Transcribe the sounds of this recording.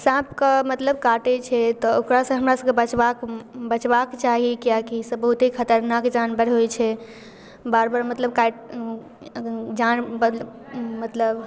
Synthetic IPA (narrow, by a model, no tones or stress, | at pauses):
sãpkəmət̪ləbkaʈɛt͡ʃʰɛt̪ɔokɾasə̃ɦəmɾasə̃kebət͡ʃbakbət͡ʃbakt͡ʃaɦikijakisəbbəɦut̪ɦikʰət̪əɾnakd͡ʒanbəɾɦojt͡ʃʰɛ | baɾbəɾmət̪ləb̚kaʈ | d͡ʒanbə | mət̪ləb